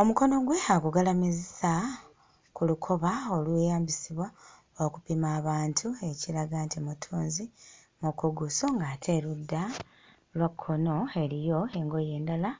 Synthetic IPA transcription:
o̞muko̞no̞ɡwe̞haɡuɡalamizisa | kulukʰo̞βao̞lwejaːmbisiβwa | okupimaːβaːntʰue̞ciɾaɡantimutʰuːnzi | mukoɡuso̞ŋɡaːtʰe̞ɾudːa | lwakʰːo̞no̞e̞ɾijo̞eŋɡo̞je̞ːndala

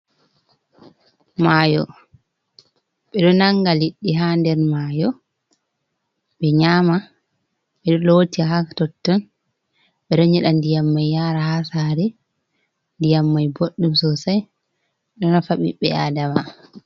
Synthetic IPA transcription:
majɔ | ɓɛɗɔnaŋɡaliɗːiɦandɛɾmajɔ | ɓɛɲama | ɓɛɗɔlotiaɦaktɔtːɔn | ɓɛɗɔɲɛɗandijamːajːaːɾahasaɾɛ | ndijamːajboɗːumsɔsaj | ɗɔnafaɓḭɓːɛadama

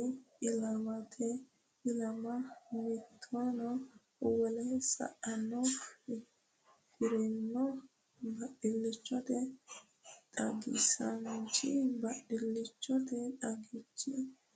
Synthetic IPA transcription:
ɪlɐmɐt̪ʰɛ | ɪlɐmɐmɪt̪ʰːɔnɔ | wɔlɛsɐ̰ʔɐnɔ | fɪɾɛnːɔ | bɐɗɪlːɪt͡ʃːɔt̪ɛ | t̪ʼɐɡɪ̰sɐnt͡ʃɪbɐɗɪlːɪt͡ʃːɔt̪ɛt̪ʼɐɡɪt͡ʃːɪ

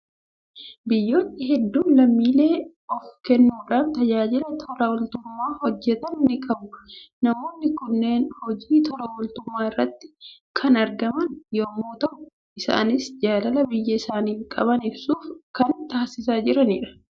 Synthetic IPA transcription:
bɪjːoːt̪nɪɦɛd̪ːuːnlɐmːiːle̞ː | ɔfkɛnːuːᶑaːnt̪ɐd͡ʒaːd͡ʒɪlɐt̪ʰɔɾɐwɔlt̪ʊmːaːhɔd͡ʒːɛt̪ɐnːɪkʼɐbʊ | nɐmo̞ːnːɪkʊnːe̞ːnhɔd͡ʒiːt̪ʰɔɾɐwɔlt̪ʊmːaːɪrːɐt̪ːɪ̥ | kʰɐnɐɾɡɐmɐnjoːmːoːt̪ɐʔʊ | ʔɪsa̰ːnɪsd͡ʒaːlɐlɐbɪjːɐɪsaːniːŋkʼɐ̰bɐnɪbsuːfkɐnt̪aːsɪsaːd͡ʒɪɾɐniːᶑɐ̥

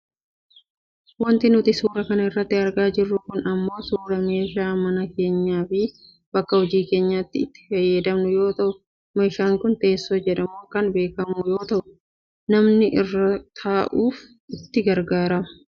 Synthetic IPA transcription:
wɐnt̪ɪnʊt̪ɪsuːɾɐkɐnɐɪrːɐt̪ːɪɐɾɡaːd͡ʒɪrːʊkʊnɐmːo̞ːsuːɾɐme̞ːʃaːmɐnɐke̞ːɲːaːfɪ | bɐkːɐhɔd͡ʒiːke̞ːɲːaːt̪ːɪːt̪ːɪ̥fɐjːɛd̪ɐmnʊjo̞ːt̪ɐʔʊ | mɐɪʃaːŋkʊnt̪e̞ːsːo̞ːd͡ʒɛᶑɐmuːkɐnbe̞ːkɐmʊjo̞ːt̪ɐʔʊ̥ | nɐmnɪʔɪrːɐt̪ʰaːʔuːf | ɪt̪ːɪɡɐɾɡaːɾɐmɐ̥

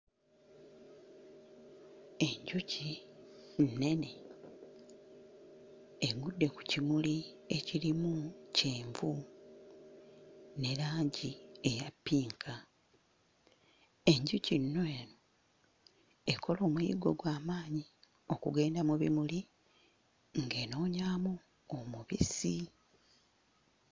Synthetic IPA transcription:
e̞ɲɟuci | nːe̞ne̞ | eɡudːe̞ku̥cimuli | e̞ciɾimuceːɱvu | ne̞laːɲɟie̞japːiːŋkʰa | e̞ɲɟucinːwe | ekʰo̞lo̞ːmwḭɡo̞ɡwaːmaːɲi | o̞kuɡe̞ːndamuβḭmuli | ŋɡe̞ːno̞ːɲaːmu | omuβisi

